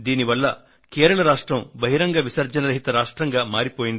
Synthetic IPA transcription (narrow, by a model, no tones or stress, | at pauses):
d̪iːniʋɐlːɐ | keːɾɐɭɐɾaːʂʈɾɐmbɐɦiɾɐŋɡɐʋisɐɾd͡ʒɐnɐɾɐɦit̪ɐɾaːʂʈɾɐŋɡɐmaːɾipoːjind̪